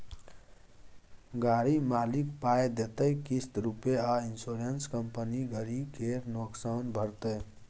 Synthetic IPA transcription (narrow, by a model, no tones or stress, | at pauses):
ɡaɾimalikpajd̪et̪əjkist̪ɾupeainsoɾenskəmpəniɡəɾikeɾnoksawnbʱəɾt̪ə